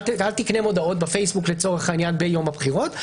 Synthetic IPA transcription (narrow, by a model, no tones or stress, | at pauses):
alt̪iknemo̞dao̞t̪befejsbuklet͡so̞ʁeχanjanbe̞jo̞mabχiʁo̞t